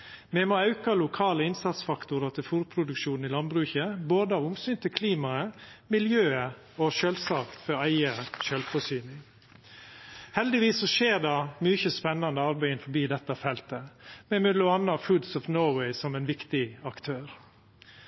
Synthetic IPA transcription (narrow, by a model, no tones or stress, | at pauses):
mɛmoːɑʉkɑlʊkʰɑːləɪnsɑt̪sfɑkt̪ʊɾɑt̪ʰɪlfuːɾpʰɾʊd̪ʉkʃuːnn̩ɪlɑnbɾʉːçəboːd̪əɑːʋʊmsyːnt̪ʰɪlkʰliːmɑəmɪljøːə | ɔʃøːlsɑːkt̪fɔɾæɪəʃœːlfɔsyːnɪŋ | hɛld̪ɪʋiːsːɔʃeːɾd̪ɑmyçəspɛnːɑnd̪əɑɾbæɪɪnfɔbiːd̪ɛt̪ːɑfɛlt̪əmɛmʉd̪lʊɑnːɑfʉd̪sɔfnoʊwɛɪsɔmæɪnʋɪkt̪ɪɑkt̪ʰøːɾ